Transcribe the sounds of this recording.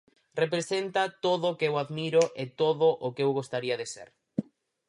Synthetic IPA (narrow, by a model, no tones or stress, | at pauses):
repɾesent̪at̪oðʊkewaðmiɾʊʔet̪oðʊʔokeewɣost̪aɾiɐðesḛɾ